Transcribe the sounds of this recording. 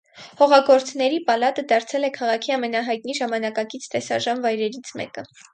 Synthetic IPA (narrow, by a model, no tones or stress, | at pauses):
hɔʁɑɡɔɾt͡sʰnɛɾipɑlɑt̪əd̪ɑɾt͡sʰɛlɛkʰɑʁɑkʰiɑmɛnɑɦɑjt̪̚niʒɑmɑnɑkɑkit͡sʰt̪ɛsɑʒɑnvɑjɾɛɾit͡sʰmɛ̰kə